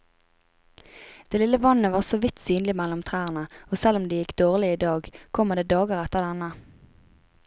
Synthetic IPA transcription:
d̪̥eːlɪləʋɑnəʋɑːʁsoːʋɪt̪syːnlɪmɛlɔmt̪ʰʁæːənəoːsɛlɔmd̪iːjɪkd̪oːʁlɪiːd̪ɑːɡkʰɔmːəd̪eːd̪ɑːɡəʁɛt̪əʁd̪ɛnə

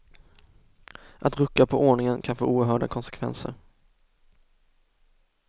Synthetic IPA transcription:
ʔat̪ɾɵkːapʰɔʔoːɳɪŋənkʰanfo̰ːʔuːəɾɦœːɖa̰kʰɔnsɛ̥kʰvɛ̰nsə̰ɾ

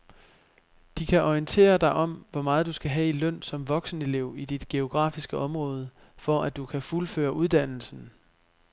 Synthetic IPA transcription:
d̥ikʰæʔɒ̽iənt͡sʰe̝̰ːɐd̥ɑ̈ɪʔɒ̽m̰ʋɒmɑ̈ːð̩ˠd̥usɡ̥æɦɛilœn̰sɒ̽mʋɒ̽ɡ̥sn̩e̝le̝ʊ̰id̥id̥ɡ̥e̝o̝ɡ̥ʁɑ̰̈ːfisɡ̥əʔɒ̽mʁɔ̽ːð̞ˠ | fɒʔæd̥ukʰæfulfø̰ːɐʔuð̞ˠd̥æn̰l̩sn̩

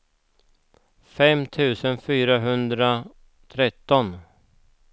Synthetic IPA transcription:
fɛmt̪ʰʉ̟ːsənfyːɾaɦɵnd̪ɾa | t̪ʰɾɛt̪ːɔn

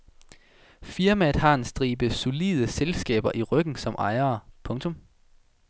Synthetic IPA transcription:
fiɐmæðˠhɑ̈ensd̥ʁiːb̥əso̝lḭːð̞ˠəselsɡ̥ɛ̰ːb̥ɐʔiʁœɡ̥n̩sɒ̽mʔɑ̈ɪɐːpʰɔ̽ŋt͡sʰɔ̽m

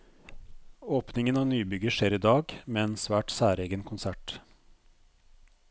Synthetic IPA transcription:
oːpnɪŋənɑːnyːbʏɡəʃeːɾiːd̪ɑːɡmeːeːnsʋæːʈsæːɾeːɡənkʰʊnsæʈ

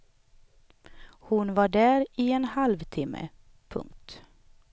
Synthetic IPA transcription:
hʊnvaɖæːɾɪɛnhalvt̪ʰɪmːə̰ | pʰɵ̰ŋk̚t̪

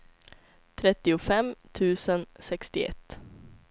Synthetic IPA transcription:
t̪ʰɾɛt̪ːɪʊfɛmt̪ʰʉ̟ːsənsɛkst̪ɪɛ̰t̪ː

